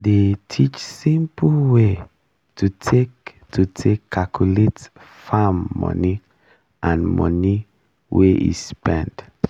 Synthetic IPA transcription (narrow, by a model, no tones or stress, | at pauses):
detʰit͡ʃsĩmpʰwe | tʰutʰek | tʰutʰekʰːakʰulet | famːɔ̰ni | ʔãnmɔ̰ni | wʔeʔḭspɛ̃nt